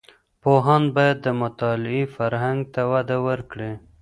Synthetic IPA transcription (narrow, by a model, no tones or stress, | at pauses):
poɦɑnbɑjad̪ːəmʊt̪ɑlɪifaɾɦaŋɡ̚t̪awad̪awəɾkɽe